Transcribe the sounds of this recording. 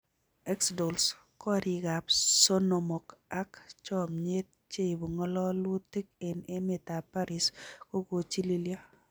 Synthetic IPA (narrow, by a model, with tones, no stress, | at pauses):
ɛ˦ksdo˨ls | kɔ˦ɾi˨ɡa˨pso˦no˨mo˨ka˦kt͡ʃɔ˦˨mɲe˦t̚t͡ʃe˦i˨bu˨ŋɔ˦lɔ˦lwu˦ti˦k̚e˨ne˦mɪ˨ta˨pa˦ɾɪ˨sko˦ɡo˨t͡ʃi˦li˦lja˦